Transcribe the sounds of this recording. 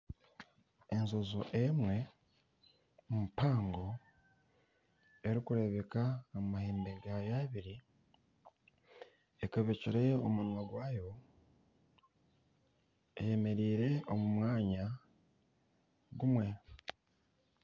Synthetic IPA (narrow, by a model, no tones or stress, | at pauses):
e̞nzo̞zoʔemwe̞ | mumupaːŋɡo̞ | e̞ɾikuɾe̞βe̞kaːmmahiːmbeɡajaβiɾi | ekaβeciɾeomunwaɡwaːjo̞ | ḛje̞me̞ɾiːɾe̞omumwaːɲa | ɡumwe̞